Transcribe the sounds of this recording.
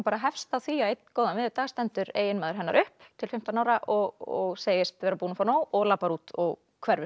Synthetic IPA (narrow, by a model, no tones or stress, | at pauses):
paɾaɦɛfst̪aθiaejt̪nkoːwðanmɪːðɪt̪aːɣst̪ɛnt̪ʏɾeːjɪnmaːðʏɾɦɛnːaɾʔʏhpt̪ʰɪlfɪm̥t̪anawɾaʔɔɣɔɣseːjɪst̪vɛːɾapuːnafaɾnaːwɔɣlaːpaɾuːt̪ɔɣ | kʰvɛɾvʏ